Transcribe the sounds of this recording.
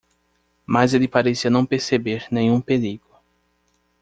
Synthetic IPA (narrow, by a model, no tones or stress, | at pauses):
mazelɪpaɾesiɐnɐ̃w̃peɾsebeɾnẽj̃ũpeliɡʊ